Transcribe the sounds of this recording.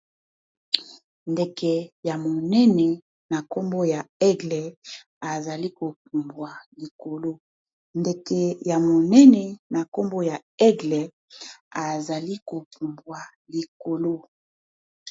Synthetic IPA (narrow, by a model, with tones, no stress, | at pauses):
nde˨kɛ˨ja˨mo˨nɛ˦nɛ˨ | na˨ko˦mbo˦ja˨ɛ˦ɡlɛ˨ | a˨za˨li˦ko˨p̚u˨mbwa˨li˨ko˨lo˦ | nde˨ke˨ja˨mo˨nɛ˦nɛ˨na˨ko˦mbo˦ja˨ɛ˦ɡlɛ˨ | a˨za˨li˦ko˨p̚u˨mbwa˨ | li˨ko˨lo˦